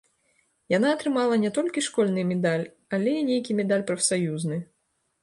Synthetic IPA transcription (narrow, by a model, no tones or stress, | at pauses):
janaːt̪ɾɨmalˠɐnʲɛt̪ɔlʲkʲiʂkɔlʲnɨmʲɛd̪alʲ | alʲɛinʲejkʲimʲɛd̪alʲpɾɐfsajuznɨ